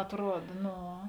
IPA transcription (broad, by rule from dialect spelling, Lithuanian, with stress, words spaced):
ɐtˈruɔt ˈnoː